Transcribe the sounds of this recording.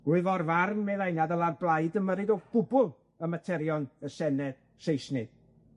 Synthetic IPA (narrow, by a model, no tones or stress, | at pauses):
ɡ̥ʊɨvɔrvarnmeðajnaðəlˠarblˠajdəməɾɨdɔɡ̥ʊbʊlˠ | əmatʰɛɾjɔnəsɛnɛð | sejsnɨð̥